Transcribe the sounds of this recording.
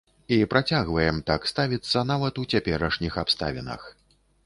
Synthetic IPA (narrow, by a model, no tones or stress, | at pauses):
ipɾat͡sʲaɣvɐjɛmt̪akst̪avʲit̪sːɐnavɐt̪ut͡sʲapʲɛɾɐʂnʲixapst̪a̰vʲinɐ̰x